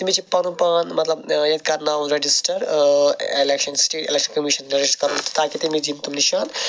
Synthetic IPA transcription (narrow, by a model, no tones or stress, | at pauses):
t̪imit͡ʃʰipanupanmɐt̪lɐbjed̪̚kaɾnamɾed͡ʒisʈɐɾ | ḛlekʃɔnsʈeːʈḛlekʃɔnkɔmiʃɔnɾeɾiʃʈkɔɾunt̪t̪aket̪imid͡ʑint̪umniʃan